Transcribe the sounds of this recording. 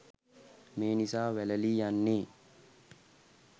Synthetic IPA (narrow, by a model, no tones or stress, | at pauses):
meːnisaːʋɛlɐliːjanːeː